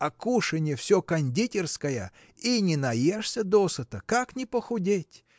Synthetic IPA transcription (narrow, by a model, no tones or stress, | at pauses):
ɐkuʂɨnʲjəfsʲokɐnʲdʲitʲɪrskəjə̰ | inʲɪnɐjeʂsʲəd̪osət̪əkaknʲɪpəxʊdʲetʲ